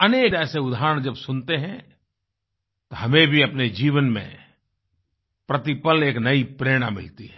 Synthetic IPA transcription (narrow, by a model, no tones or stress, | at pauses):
ɐneːɛːseʊd̪ʱaːɾəɽ̃d͡ʒɐbsʊnt̪eɦɛ̃ | t̪oɦɐmẽbʱiɐpned͡ʒiːʋənmḛ̃ | pɾɐt̪ipəleːknɐipɾeːɽ̃a̰mɪ̰lt̪iɦɛ